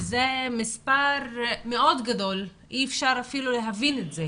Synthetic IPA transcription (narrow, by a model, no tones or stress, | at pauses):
zemispaʁmeʔo̞d̪ɡad̪o̞l | iːfʃaʁafiluleɦavinetze